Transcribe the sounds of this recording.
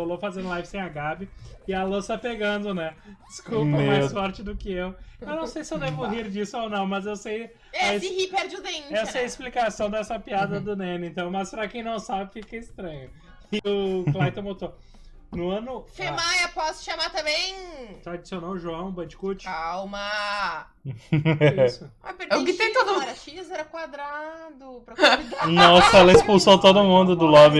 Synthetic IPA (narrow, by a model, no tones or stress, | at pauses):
olofazẽnd̪lajvɪsẽj̃aɡabɪɪɐlosɐpeɡɐ̃nd̪ʊnɛd͡ʒɪskupɐmmajssfɔɾt͡ʃɪd̪ʊkɪewewnɐ̃w̃sejsɪewd̪evʊɦiɾd͡ʒisʊonɐ̃w̃mɐzewsej | asihipɛɾd͡ʒʊd̪ẽɛsɐɛɪsplikasɐ̃w̃d̪ɛsɐpiad̪ɐd̪ʊnẽnɪẽnt̪ɐ̃w̃mɐspɾakẽj̃nɐ̃w̃sabɪfikɐist̪ɾɐ̃ɲʊ | ɪʊklajt̪ɐ̃mot̪oɾ | nʊɐ̃nʊfemajɐpɔsʃamat̪ɐ̃bẽj̃t̪aad͡ʒisiõnɐ̃ʒuɐ̃w̃bɐ̃d͡ʒi̥kut͡ʃawmɐ | sʊapeɾtẽkɪt͡ʃ̪ẽt̪od̪̃ɛɾɐʃizɛɾɐkwad̪ɾad̪ʊpɾɐid̪anɔsɐɛlɐispusot̪od̪ʊmũd̪ʊd̪ʊlɔbi